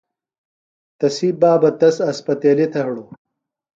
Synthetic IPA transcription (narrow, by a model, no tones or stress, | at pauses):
t̪ɐsibaːbɐt̪ɐsɐspɐt̪eːlit̪ʰɐɦɽu